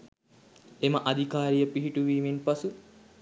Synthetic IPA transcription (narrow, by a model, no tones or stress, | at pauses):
eməʔad̪ʱikaːɾijəpiɦiʈuʋiːminpasu